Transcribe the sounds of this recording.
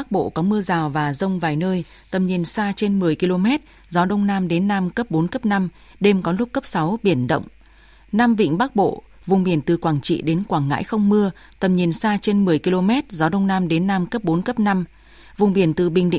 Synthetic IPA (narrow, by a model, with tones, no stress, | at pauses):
ɓa˦˥k̚ɓo̰˧˨kɔ˨˦mɨ˧əzaː˨˩wvaː˨˩zə˧wŋ͡mvaː˨˩jnəː˧j | t̪ə˨˩mɲi˨˩ənsaː˧t͡ɕe˧nmɨ˨˩əjki˧lo˧mɛ˦˥t̚ | zɔ˨˦ɗə˧wŋ͡mnaː˧mɗe˨˦nːaː˧mkə˦˥p̚ɓo˨˦nkə˦˥p̚na˧m | ɗe˧mkɔ˨˦lʊ˦˥k͡p̚kːə˦˥p̚sa˨˦wɓi˧˩ənɗə̰˧˨wŋ͡m | naː˧mvḭ˧˨ŋ̟ɓa˦˥k̚ɓo̰˧˨ | vʊ˨˩ŋ͡mɓi˧˩ənt̪ɨ˨˩kwaː˧˩ŋt͡ɕḭ˧˨ɗe˨˦nkwaː˧˩ŋŋa̰ː˧˥jxə˧wŋ͡mmɨ˧ə | t̪ə˨˩mɲi˨˩ənsaː˧t͡ɕe˧nmɨ˨˩əjki˧lo˧mɛ˦˥t̚zɔ˨˦ɗə˧wŋ͡mnaː˧mɗe˨˦nːaː˧mkə˦˥p̚ɓo˨˦nkə˦˥p̚na˧m | vʊ˨˩ŋ͡mɓi˧˩ənt̪ɨ˨˩ɓï˨˩ŋ̟ɗḭ˧˨